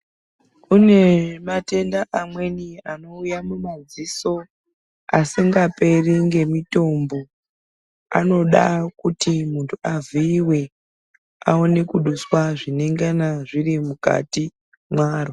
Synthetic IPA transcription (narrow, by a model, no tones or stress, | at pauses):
une̞mate̞ndaʔamwe̞niano̞ujamumad͡ziso̞ | asiŋɡape̞riŋɡe̞mito̞mbo̞ | a̰no̞ɗakutimuntʰuaviːwe̞ | a̰o̞ne̞kuɗuswaʐine̞ŋɡanaʐirimuka̰ti | mwaːro